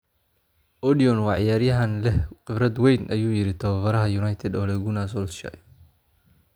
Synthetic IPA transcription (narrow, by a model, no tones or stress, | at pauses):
ʔɔdiɔnwɑːʕɪjaːɾjɐɦɐnlɛqɪbɾɐd̪wɛjnʔɐjuːjɪɾɪt̪ʰɐwɐfɐɾɐɦɐjunajt̪ʰɛd̪ɔːlɛɡunaːs̬ɔlʃɐ̰j